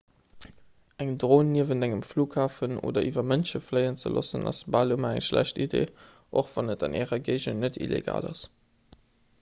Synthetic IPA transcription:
ʔæŋdʁoːnːiəvəndæŋəmfluːkhaːfəno̰ːdɐʔivɐmənʃəflɜɪənt͡sə̰lo̰sənɑ̰sbaːlumɐæŋʃlæ̰ɕtidḛː | ʔoχv̥ɑnətɑnʔɛːʁɐɡeɪʒənətḭlḛɡa̰ːlɑs

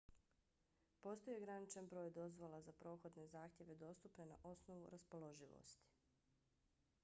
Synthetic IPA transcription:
po̞st̪ojeɡɾanit͡ʃanbɾo̞ːjd̪o̞zʋo̞lazapɾo̞ːxo̞d̪ne̞zaːxt̪jeʋe̞d̪o̞ːst̪upne̞na̰ʔo̞sno̞ʋṵɾaspo̞lˠo̞ʒiʋo̰st̪i̥

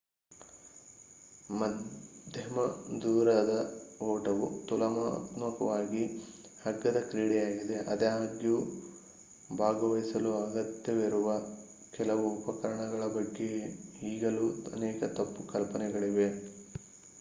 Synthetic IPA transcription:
mɐd̪ʱjɐmɐd̪uːɾɐd̪ɐɔːʈɐʋut̪ulɐmat̪mɐkɐʋaːɡi | hɐɡːɐd̪ɐkɾiːɽɛjaːɡid̪eʔɐd̪ɐɦaːɡju | bʱaːɡɐʋɐjsɐluɐɡɐt̪jɐʋiɾuʋɐ | kɛlɐʋuːpɐkɐɾɐɳɐɡɐɭɐbɐɡːe̞hiːɡɐluɐnɛːkɐt̪ɐpːukɐlpɐnɛɡɐɭiʋe̞

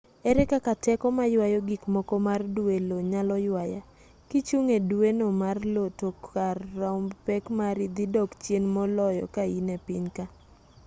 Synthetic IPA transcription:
ɛɾɛkakatɛkɔmajwajɔɡikmɔkɔmardweloɲalɔjwaja̰ | kit͡ʃuŋedwenomarlotokːarːaʊmpɛkmaɾid̪idɔkt͡ʃjenmɔlɔjɔ̰kainepɪɲka

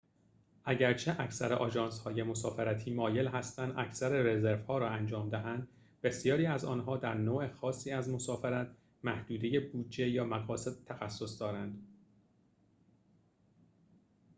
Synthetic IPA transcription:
ʔæɟæɾt͡ʃʰeʔæcʰsæɾeʔɒːʒɒːnshɒːje̞mo̞sɒːfeɾæt̪ʰiːmɒːje̞lɦæst̪ænd̪ʔæ̰cʰsæɾeɾe̞zeɾvhɒːɾɒːænd͡ʒɒːmd̪æɦænd̪ | be̞sjɒːɾiːæzɒːnɦɒːd̪æɾnoːe̞xɒːsːiːæzmosɒːfeɾæt̪ʰ | mæhd̪uːd̪eje̞buːd͡ʒe̞jɒːmæɣɒːse̞d̪̚t̪ʰæxæsːo̞sd̪ɒːɾænd̪̥

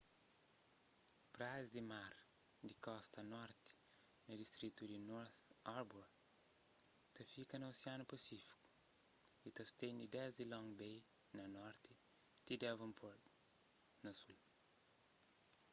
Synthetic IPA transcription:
pɾazd̪imaɾd̪ikɔst̪ɐnɔɾt̪i̥nɐd̪ist̪ɾit̪ud̪inɔɾθɔɾbwɐ | t̪ɐfikɐnɐosianupɐsifi̥ku̥ | it̪ɐst̪ẽj̃d̪id̪ɛzilɔ̃ŋbejnɐnɔɾt̪it̪id̪ɛvɐ̃mpʰol | nɐsul

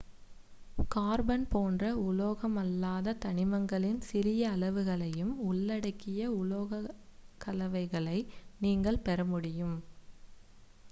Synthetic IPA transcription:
kaːɾbɐnpoːndrɐʊloːɣɐmɐlːaːðɐt̪ɐɳɪmɐŋɡɐɭɪnsɪɾɪjɐːlɐʋɯɣɐɭɐjɯmʊɭːɐɽɐɪkːɪjɐʊloːɣɐkːɐlɐʋɐɪɣɐɭɐɪniːŋɡɐɭpɛɾɐmʊɽɪjɯm

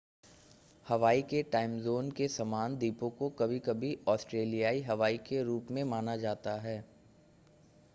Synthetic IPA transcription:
hɐʋaːikeʈaːɪmzoːnkesɐmaːnd̪iːpõkokɐbʱikɐbʱiɔːsʈɾeːlijaːiɦɐʋaːikeɾuːpmẽmaːnad͡ʒaːt̪aɦɛː

